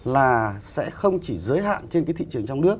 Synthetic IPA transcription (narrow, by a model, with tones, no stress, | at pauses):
laː˨˩sɛ̰˧˥xə˧wŋ͡mt͡ɕi˧˩zəː˨˦jɦa̰ː˧˨nt͡ɕe˧nkaː˨˦t̪i˧˨t͡ɕɨ˨˩əŋt͡ɕwŋ͡mnɨ˦˥ək̚